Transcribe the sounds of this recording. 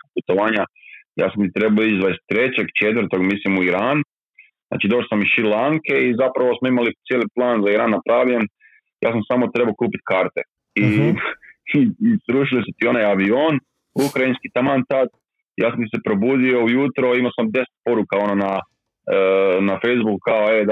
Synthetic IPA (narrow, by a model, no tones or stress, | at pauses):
put̪oʋaːɲaja̰ːsamt̪it̪ɾe̞baoit͡ʃzʋaist̪ɾe̞t͡ɕeɡt͡ʃe̞t̪ʋɾt̪o̞ɡmislimuiɾaːnu | zna̰ːt͡ʃid̪o̞ʃosamiʃilaŋke̞izapɾaʋosmoimalit̪sijeːliplˠaːnzaiɾaːnːapɾaːʋʎem | ja̰ːsamsaːmo̞t̪ɾe̞balokuːpit̪kaːɾt̪e | i | isɾuːʃilisut̪io̞najaʋioːn | ukɾainskit̪amant̪ad̪ | jaːsamt̪ise̞pɾo̞buːd̪io̞ujuːt̪ɾoimaosamd̪e̞se̥t̪̚po̞ɾukao̞nona | nafejzbukukaoed̪